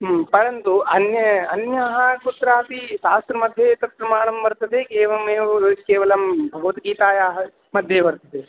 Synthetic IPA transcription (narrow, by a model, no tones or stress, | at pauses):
pɐɾɐnt̪uɐnjɐɐnjɐɦɐkut̪ɾaːt̪iʃaːst̪ɾɐmɐd̪ʱjet̪ɐt̪̚ɾɐmaːɳɐmbɐɾt̪ɐd̪ekeːʋɐmeːkɛːʋɐlɐmbʱɐɡɐʋɐt̪ɡiːt̪aːjaːɦɐ | mɐd̪ʱjebɐɾt̪ɐd̪e